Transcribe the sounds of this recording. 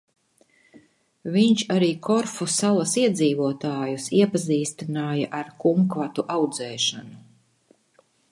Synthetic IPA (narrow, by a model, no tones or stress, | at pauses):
viɲt͡ʃaɾiːkʰɔɾfusalˠasiɛd̪ziːvuɔt̪aːjusiɛpaziːst̪inaːjaʔaɾkuŋkvat̪uʔawd̪zɛːʃanu